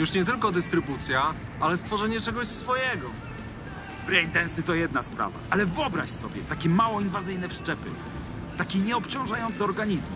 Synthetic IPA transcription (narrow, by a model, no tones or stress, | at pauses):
juʂɲɛt̪ɘlkɔd̪ɘst̪ɾɘbut̪sʲja | alɛst̪fɔʐɛɲɛt͡ʂɛɡɔɕsfɔjɛɡɔ | bɾɛj̪d̪ɛnsɘt̪ɔjɛd̪naspɾa̰va̰ʔalɛvɔbɾa̰ɕsɔbʲjɛ̰t̪akʲɛmawɔinvazɘjnɛfʂt͡ʂɛpɘ̰ | t̪akʲiɲɛɔpt͡ɕɔ̃w̃ʐajɔnt̪sɛɔɾɡaɲizm